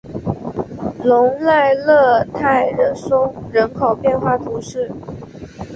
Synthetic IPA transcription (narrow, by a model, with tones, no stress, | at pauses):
lʊ˧˥ŋla˥˧ɪlɤ˥˧t̪ʰa˥˩ɪɻə˧˥nsʊ˥ŋɻə˧˥nkʰo˨˩ʊpjɛ˥˧nxwa˥˩t̪ʰu˧˥ʂɻ̩˥˩